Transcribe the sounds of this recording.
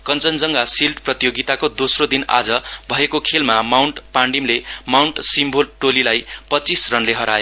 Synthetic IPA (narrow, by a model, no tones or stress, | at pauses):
kʌnt͡sʌnd͡zʌŋɡasilɖprʌt̪ijoɡit̪akod̪osrod̪ina̰d͡zʌbʱʌekokʰelmamawɳʈpaɳɖimlemawɳʈsimbʱolʈolilajpʌtt͡sisrʌnleɦʌɾajo